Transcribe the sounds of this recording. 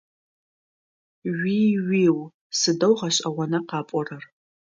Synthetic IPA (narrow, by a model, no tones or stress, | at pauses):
ɥiɥiw | sɨdɐwʁaʃʼawanaqɑːpʷʼɔrɐr